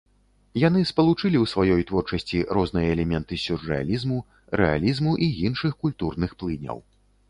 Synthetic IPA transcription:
jan̪ɨspɐlˠut͡ʂɨlʲiwsvajɔjt̪vɔrt͡ʂɐsʲt͡sʲiɾɔznɨjɐɛlʲɛmʲɛnt̪ɨsʲurːɛa̰lʲizmu | ɾʔɛ̰a̰lʲizmuʔijinʂɨxkulʲt̪urnɨxplˠɨnʲɐ̰w

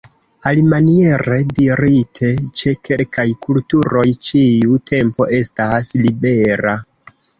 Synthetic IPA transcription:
alimanie̞ɾe̞diɾitʰe̞t͡ʃe̞ke̞lkajkultuɾo̞jt͡ʃiutʰe̞mpo̞ʔe̞staslibe̞ɾa

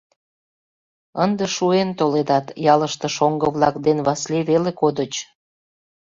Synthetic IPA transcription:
ənd̪eʃuent̪oled̪ɑt̪jɑləʃt̪əʃoŋɡəβlɑkd̪enβɑsleβelekod̪ət͡ɕ

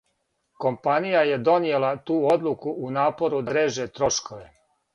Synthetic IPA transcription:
ko̞mpanijaje̞d̪o̞nije̞lat̪uːo̞d̪lˠukuunaːpo̞ɾud̪aɾeːʒe̞t̪ɾo̞ʃko̞ʋe

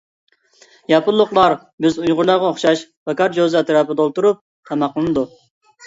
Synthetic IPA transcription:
jɑpʰʊlˠːʊqlˠɑɾ | bɪzujʁʊɾlˠɑʁɑoχʃɑʃbɑkɑɾd͡ʒozɛt̪ɾɑːpɨd̪olˠt̪uɾup̚ | t̪ʰɑmɑqlˠɨnɨd̪u

